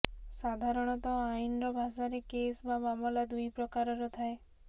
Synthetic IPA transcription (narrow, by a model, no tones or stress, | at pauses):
sad̪ʱaɾɔɽ̃ɔt̪ɔajnɾɔbʱaʃaɾekesbamamɔlad̪ujpɾɔkaɾɔɾɔt̪ʰae